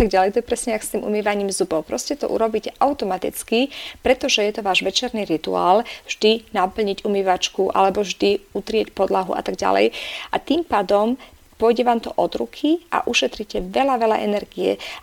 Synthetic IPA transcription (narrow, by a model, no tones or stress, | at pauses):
t̪aɡ̚ɟalɛjt̪ɔɛpɾɛsɲɛakst̪iːmʔṵmiːʋaɲiːmzubɔʊpɾɔ̰scɛt̪ɔ̰ʔṵɾɔbiːcɛʔaʊt̪ɔmat̪ḭt͡skipɾɛt̪ɔʒɛjɛt̪ɔʋaːʒʋɛt͡ʃɛɾniɾit̪ua̰ːlvʒ̥d̪inapl̩ɲiɟumiːʋat͡ʃkuʔa̰lɛbɔʒd̪iut̪ɾɪɛcpɔd̪laɦṵʔa̰t̪aɡɟa̰lɛ̰jʔat̪iːmpaːd̪ɔm | pʊɔjɟɛʋaːmt̪ɔʔɔd̪ɾukʰiʔa̰ʔuʃɛt̪ɾicɛʋɛlaʋɛla̰ʔɛ̰nɛɾɡiɛ̰